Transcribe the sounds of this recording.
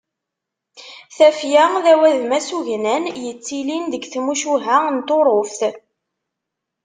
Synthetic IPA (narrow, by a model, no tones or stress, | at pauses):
θæfjæðæwæðmæsuʝnænjət͡sːilinðəɡθmuʃuɦænt̪oɾˤofθ